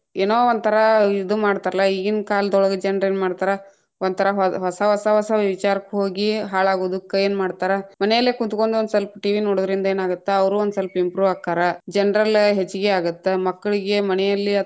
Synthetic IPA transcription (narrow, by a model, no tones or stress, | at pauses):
eːnoːond̪̚t̪ʰɐɾɐid̪umaːɖt̪aːɾɐlːɐiɡinkaːld̪ɔɭɐɡed͡ʒɛnɾeːnmaːɖt̪aːɾɐ | on̚t̪ʰɐɾɐɦɦɔsɐɦɔsɐɦɔsɐʋit͡ʃaːɾɐkːɦoːɡiɦaːɭaːɡoːd̪ukːɐjːeːnmaːɖt̪aːɾemɐnɛjɐlːekut̪uko̞ɳɖuond̪sɐlpɐʈiʋinoːɽod̪ɐɾind̪ɐeːnaːɡut̪ːeɐʋɐɾuond̪uselpɐimpɾuːʋaːɡ̚t̪aːɾɐd͡ʒɛnɾɐlɦet͡ʃːiɡeaːɡut̪ːemɐkːɐɭiɡe̞mɐnɛjɐlːi